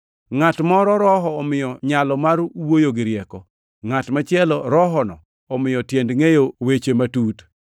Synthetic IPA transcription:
ŋatmɔɾɔɾɔɦɔːmɪjɔɲalɔmaɾwojoɡɪɾjɛkɔ | ŋatmat͡ʃɪɛlɔɾɔɦɔnɔ̰ː | mɪjɔtjendŋejowet͡ʃematut

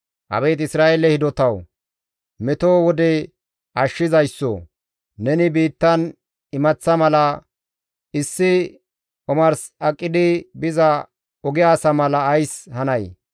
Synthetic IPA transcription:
ʔɐ̰beːt̪ɪsɾaːʔelɛhɪd̪ɔt̪ɐw | mɛt̪oːwɔd̪ɛ | ʔɐʃːɪzɐjsːo̰ | nɛnɪbiːt̪ːɐn | ɪmɐt͡sːɐmɐlɐ | ɪsːɪ | ʔɔmɐɾsɐkʼːɪd̪ɪbɪzɐ | ɔɡɪjaːsɐmɐlɐːjshɐnɐj

